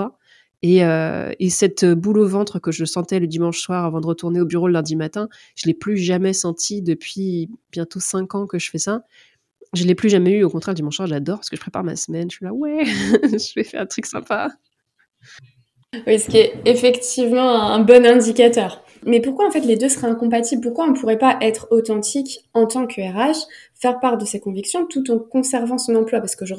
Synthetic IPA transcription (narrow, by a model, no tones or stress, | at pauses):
a | eøḛsɛt̪øbulovɑ̃t̪χəkəʒəsɑ̃t̪ɛləd̪imɑ̃ʃswaʁavɑ̃d̪əʁət̪uʁneobyʁoləlɛ̃d̪imat̪ɛ̃ | ʒ̥əlɛplyʒamɛsɑ̃t̪ʰid̪əpʰɥib̥jɛ̃t̪osɛ̃kɑ̃kəʒəfɛsa | ʒəlɛplyʒamɛyokɔ̃t̪χɛʁləd̪imɑ̃ʃswaʁʒad̪ɔʁpaʁskəʒə̥pχepa̰ʁma̰səmɛnəɥilawɛʒəvɛfɛʁdɛ̃t̪χyksɛ̰̃pa | wisə̥kʲiɛefɛkt̪ivmɑ̃ɛ̃ɛ̃bɔnɛ̃d̪ikat̪œːʁ | mɛpuʁkwaɑ̃fɛt̪led̪øsəχɛɛ̃kɔ̃p̬at̪iblpuʁkwaɔ̃puʁɛpaʔɛt̪χot̪ɑ̃t̪ikɑ̃t̪ɑ̃kʰyɛʁaʃfɛʁpaʁd̪əsɛkɔ̃viksjɔ̃t̪ut̪ɑ̃kɔ̃sɛʁvɑ̃sɔ̃nɑ̃plwapaʁsə̥kəʒə